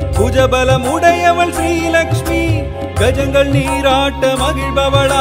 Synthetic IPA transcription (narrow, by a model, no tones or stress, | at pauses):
pud͡ʒɐbɐlɐmʊɽɐjɐʋɐɭsɾiːlɐkʂmi | ɡɐd͡ʒɐŋɡɐɭniːɾaːʈːɐmɐɡɪɻbɐʋɐɭɐ